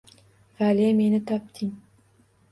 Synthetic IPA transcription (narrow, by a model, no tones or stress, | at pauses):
valemenɪt̪ʰɒp̚t̪ʰɪŋ